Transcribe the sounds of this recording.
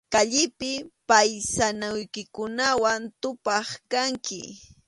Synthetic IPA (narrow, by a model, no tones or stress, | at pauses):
kaʎɪpɪpajsanajkɪkʊnawant̪ʊpɑχkaŋkɪ̰